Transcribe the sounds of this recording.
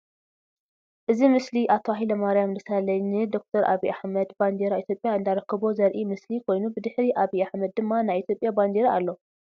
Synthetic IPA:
ʔɨzimɨsliʔat̪ʰoaɦilɐmaɾijamd̪ɨsalɐɲnɨd̪o̞k̚t̪ʰɐɾʔa̰βiʔaħmɐd̪band̪eɾait̪ʰjo̞pʼjaɨnd̪aɾɐkʰːɨβozɐɾʔimɨslikʰo̞jnubɨd̪ɨħɾiʔaβiʔaħmɐd̪̚ːɨmːanajit̪ʰjo̞pʼjaband̪eɾaalːo

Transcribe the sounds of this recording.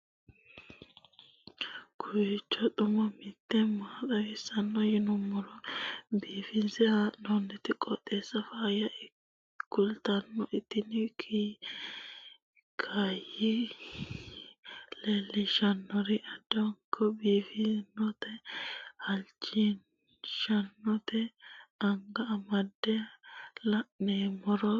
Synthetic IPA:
kʰʊjt͡ʃːɔt̪ʊmɐmɪt̪ːɛmaːtɐwɛsɐnːɔjɪnʊmːɔlɔbiːfɪnsɛanɔnːɛt̪ɪkʼɔt̪ʼːeːsːɐfaːjɐʔɪ | kːʊlt̪ɐnːɔʔɪt̪ːɪnɪkʰi | kʰɐjɪ | leːlːɪʃɐnːɔɾɪʔɐd̪ɐwŋkʰːɔbiːfɪnɔt̪ɛhɐlt͡ʃːin | ʃɐnːɔt̪ɛɐŋɡɐɐmɐd̪ːɛlɐʔneːmɔɾɔ

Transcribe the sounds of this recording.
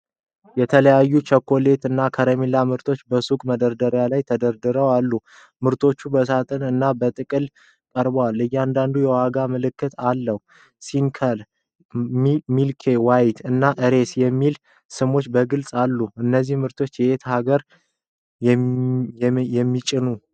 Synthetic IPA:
jɛt̪ʰələjajːut͡ʃʰəkʰːo̞let̪ɨnːakʰəɾəmilːamɨɾt̪ʰo̞t͡ʃːbəsukʼməd̪əɾd̪əɾjalajt̪ʰəd̪əɾd̪ɨɾəwalːu | mɨɾt̪ʰo̞t͡ʃːubəsat̪ʼɨnɨnːabət̪ʼɨkʼɨl | kʼəɾbəwalːɨjːɛand̪and̪ujɛwaɡamɨlɨkːɨt̪ʰalːəhu | sinkʰəl | mmilkʰe̞wajt̪ʰɨnːaʔɨɾe̞sjɛmːil | sɨmo̞t͡ʃːbəɡɨlsʼalːuɨnːəzːihmɨɾt̪ʰo̞t͡ʃːjɛet̪ʰhaɡəɾ | jɛmːit͡ʃʼɪnu

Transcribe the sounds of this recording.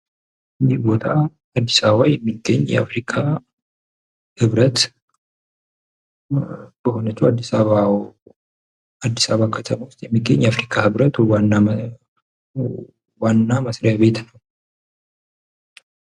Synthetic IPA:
ʔɨnd̪ihbo̞t̪ʰa | ad̪ːisaβəβajɛmːiɡːəɲːjɛ̰a̰fɾikʼa | hɨβɾət̪ | b̥əho̞nət͡ʃːuwad̪ːisaβa | ad̪ːisaβakʰət̪ʰəmawʊst̪ʼjɛmːiɡːəɲːjɛafɾikʼahɨβɾət̪anːa | wanːaməsɾɪjaβe̞t̪nəw

